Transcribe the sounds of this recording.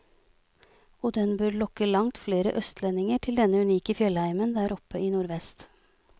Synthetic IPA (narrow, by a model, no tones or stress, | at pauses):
oːd̪ɛnbøːɾlɔkəlɑŋt̪fleːɾə̰ʔœst̪ʰlɛnɪŋəʈʰɪld̪ɛnəʉniːkəfjœlhæɪmənd̪æːɾɔpəiːnuːɾʋɛst̪